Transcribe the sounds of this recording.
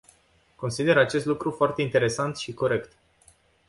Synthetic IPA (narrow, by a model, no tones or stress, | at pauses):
ko̞nsid̪e̞ɾat͡ʃe̞st̪lukɾufoart̪e̞int̪e̞ɾe̞sant̪ʃiko̞ɾe̞kt̪